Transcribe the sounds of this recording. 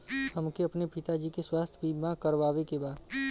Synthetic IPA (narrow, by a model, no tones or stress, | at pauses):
həmkeɐpnepɪt̪ad͡ʒikeswaːst̪ʰəbʱimãkəɾʋaːʋekebaːd̪